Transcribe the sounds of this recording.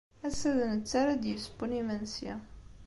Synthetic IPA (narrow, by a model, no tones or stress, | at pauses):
æsæðənət͡sːaɾad̪jəsə̥punimænsiæ̰